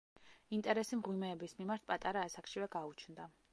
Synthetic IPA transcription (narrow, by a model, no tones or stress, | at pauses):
int̪ʼɛɾɛsimʁwimɛːbismimaɾt̪̚ʰpʼat̪ʼaɾaːsakʃivɛɡaut͡ʃʰnd̪a